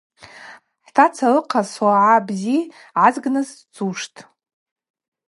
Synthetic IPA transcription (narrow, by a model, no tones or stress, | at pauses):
ħtʰat͡sʰalɨqʰaswaʕabzi | ʕazɡnɨzt͡sʼuʂtʼ